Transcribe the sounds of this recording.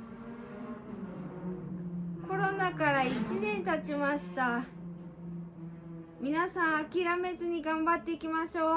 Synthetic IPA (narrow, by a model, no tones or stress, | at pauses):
ko̞ɾo̞nakaɾait͡ɕinẽ̞nt̪at͡ɕimaɕi̥t̪a | mʲinasãɰ̃akʲiɾame̞zɨɲ̟iɡãmbat̪ːe̞ikʲimaɕo̞ː